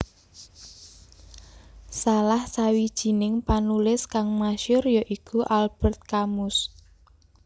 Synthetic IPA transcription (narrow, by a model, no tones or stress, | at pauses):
salahsawid̥ʒ̥i̤nɪŋpanulɪskaŋmaʃʊrjɔʔikʰuʔalb̥ə̤rt̪̚kamʊs